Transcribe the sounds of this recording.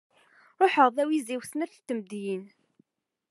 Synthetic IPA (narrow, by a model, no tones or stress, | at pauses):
ɾˤoħəʁðæwiziwsnæθt̪ːəmd̪jin